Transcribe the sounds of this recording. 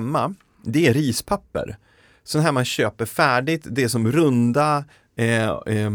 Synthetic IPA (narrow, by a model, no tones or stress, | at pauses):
mːa | d̪ɛæɾiːspʰapːə̰ɾ | sɔnɦæːɾmanɕøːpəɾfæːɖɪt̪d̪ɛæʂɔmɾɵnd̪a